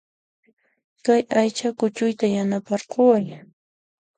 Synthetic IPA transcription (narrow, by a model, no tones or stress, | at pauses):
kajajt͡ʃakʊt͡ʃʊjt̪ajanapɑɾqowaj